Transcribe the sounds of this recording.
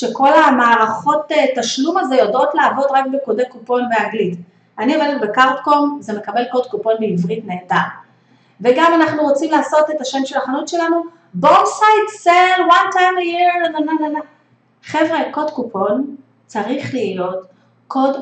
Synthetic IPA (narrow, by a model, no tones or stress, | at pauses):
ʃe̞ko̞lamaːʁaχo̞tetaʃlumaze̞jodo̞tlaːvo̞dʁakbekodekupo̞nbeaɡlit | anioveletbe̞kaʁtkomzeme̞kabe̞lko̞dkupo̞nbiivʁitneːda | veɡamanaχnuʁot͡simlaːso̞te̞taʃemʃe̞laχanutʃe̞lanu | bosajtselwantʰajmjiɾnonanana | χevʁeko̞dkupʰo̞n | t͡saʁiχliːlo̞t | kʰo̞d